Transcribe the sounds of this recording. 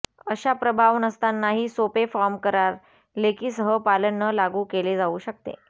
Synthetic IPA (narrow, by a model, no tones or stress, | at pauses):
əɕapɾəbʱaʋnəst̪anːaɦiːsopefɔɾmkəɾaɾ | lekiːsəɦəpalənːəlaɡuːkeled͡zauːɕək̚t̪ḛ